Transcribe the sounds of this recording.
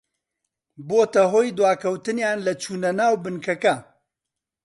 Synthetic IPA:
boːt̪ɐɦoːjd̪waːkʰɐwt̪ɨnjaːnlɐt͡ʃʰuːnɐnaːwbɨnkɐkɐ

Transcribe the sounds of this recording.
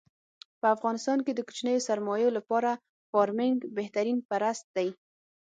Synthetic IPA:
pəafɣɑnɪst̪ɑnked̪əku̥t͡ʃnəjosaɾmɑjolapɑɾa | fɑɾmɪŋɡbeht̪aɾinpaɾast̪̚d̪aj

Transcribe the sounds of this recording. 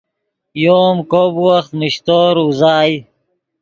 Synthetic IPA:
joːmkobwɐxt̪miɕt̪oːɾuzaːj

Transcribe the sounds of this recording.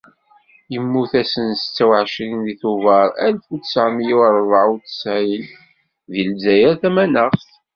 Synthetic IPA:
jəmːuθæsənst͡sːæwʕʃɾinðiθuvɑɾˤælfut͡ssʕmjiəɾˤvˤʕut͡sə̥sʕil | ðilzæjəɾθæmænəʁθ

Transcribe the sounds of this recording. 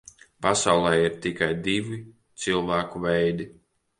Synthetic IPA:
pasawlˠɛjiɾt̪ikajd̪ivi | t̪silˠvæːkuvɛjd̪i

